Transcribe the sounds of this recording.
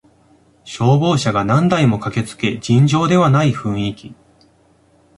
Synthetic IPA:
ɕo̞ːbo̞ːɕaɡanãnd̪aimo̞kake̞t͡sɨ̥ke̞d͡ʑĩɲd͡ʑo̞ːd̪e̞βanaiɸɯ̟̃ɰ̃ikʲi

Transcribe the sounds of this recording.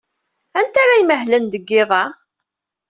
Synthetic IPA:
ænt̪aɾajməɦlənd̪əɡːɪðˤɑ

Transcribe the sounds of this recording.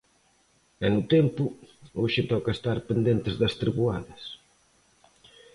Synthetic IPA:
ɛnʊt̪ɛmpʊoʃɪt̪ɔkɐest̪aɾpend̪ent̪ezðɐst̪ɾiβua̰ðɐs

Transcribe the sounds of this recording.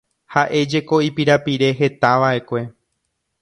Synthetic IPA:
haʔe̞d͡ʒe̞ko̞ipiɾapiɾe̞ɦe̞t̪aʋaʔe̞kʷe̞

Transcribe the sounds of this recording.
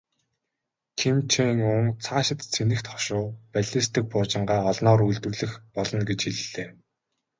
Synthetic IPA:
kʰimt͡ɕʰiŋʊŋt͡sʰaːʃɪ̆t̪t͡sʰenɘ̆xt̪χɔ̥ʃʊːpæɮʲiːst̪ʰɘ̆k̚pʊːrt͡ɕɪ̆ɴɢaːɔɮnɔːɾujɮt̪ɵ̆rɮɘ̆xpɔɮɞ̆nɡet͡ɕxiɮɘ̆ɮeː

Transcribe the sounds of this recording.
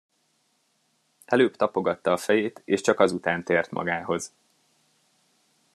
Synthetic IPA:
ɛløːpt̪ɒpo̞ɡɒt̪ːɒːfɛjeːt̪eːʃt͡ʃɒkɒzut̪aːnt̪eːrt̪mɒ̰ɡaːɦo̞z

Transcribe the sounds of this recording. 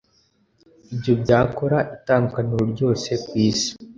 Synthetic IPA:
ibjo̞bɟaːko̞ɾaʔitaːnukanuɾoɾɟo̞ːse̞kwiːsi̥

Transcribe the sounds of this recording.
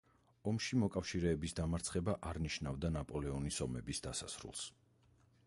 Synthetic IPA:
ɔmʃimɔkʼafʃiɾɛːbisd̪amaɾt̪sʰχɛbaʔaɾniʃnavd̪anapʼɔlɛɔnisɔmɛbisd̪asa̰sɾṵlˠs

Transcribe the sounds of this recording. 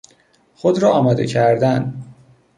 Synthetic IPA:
xod̪ɾɒːɒːmɒːd̪e̞cʰæɾd̪æn

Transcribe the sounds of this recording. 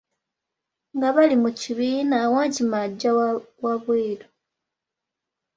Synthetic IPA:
ŋɡaβalimuciβiːnawaːɲcimaɟːawaβweːlo

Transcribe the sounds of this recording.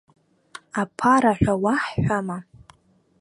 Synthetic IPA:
apʰaɾaħʷᶣawaħːʷama

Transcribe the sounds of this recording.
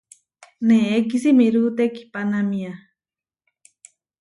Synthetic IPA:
neek̬isimiɾut̪eki̥panamĩa

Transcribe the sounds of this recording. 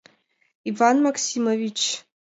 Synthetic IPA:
ivanmakʰsimovit͡ʃʰ

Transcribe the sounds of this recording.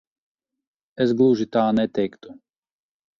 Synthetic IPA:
ɛzɡlˠuːʒit̪aːnɛt̪ɛkt̪u

